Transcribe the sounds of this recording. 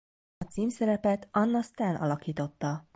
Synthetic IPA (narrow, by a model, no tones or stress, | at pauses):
ɒt̪siːmsɛɾɛpɛt̪ɒnːɒst̪aːnʔɒ̰lɒkiːt̪o̞t̪ːɒ